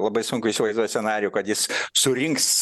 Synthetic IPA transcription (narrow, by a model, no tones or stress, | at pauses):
lˠɐbɐɪsʊŋkʊɪisʲɪʋɐɪzd̪uɔjsʲɛnɑːɾʲɪjʊːkɐt̪jɪsːʊɾʲɪŋks